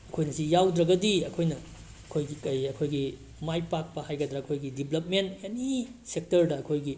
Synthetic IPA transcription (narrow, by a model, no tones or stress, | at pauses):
ɐkʰojnɐsijawdɾɐɡɐdiɐkʰojnɐ | ɐkʰojɡikɐjɐkʰojɡi | majpak̚pɐhajɡɐdɾɐːkʰojɡidiblɐp̚mentjanisek̚tɐɾdɐːkʰojɡi